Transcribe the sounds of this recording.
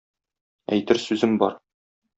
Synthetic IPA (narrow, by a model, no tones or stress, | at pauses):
æ̰jt̪ɘɾsʉzɘmbɒɾ